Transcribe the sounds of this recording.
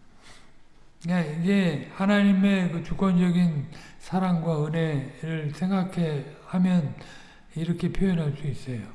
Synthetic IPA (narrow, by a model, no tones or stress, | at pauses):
jaiɡe̞hanaɲime̞kɯt͡ɕukwʌnd͡ʑʌɡinsʰaɾaŋɡwaɯne̞ɾɯɭsʰe̞ŋɡakʰe̞hamjʌn | iɾʌkʰe̞pʰjoʌnɦaɭs͈uis͈ʌjo